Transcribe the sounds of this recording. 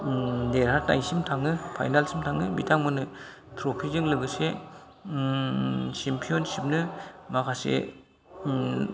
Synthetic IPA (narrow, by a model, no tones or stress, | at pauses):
deɾɦata̰jsimtʰaŋɯpʰa̰jnalsimtʰaŋɯbḭtʰaŋmɯnɯ | tʰɾopʰizɯŋlɯɡɯse | simpʰionsip̚nɯmakʰasḛ